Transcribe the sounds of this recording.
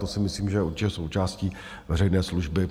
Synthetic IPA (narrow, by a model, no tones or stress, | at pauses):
t̪osɪmɪsliːmʒɛjɛuɾt͡ʃɪcɛso̞wt͡ʃaːsciː | vɛrɛjnɛːsluʒbɪ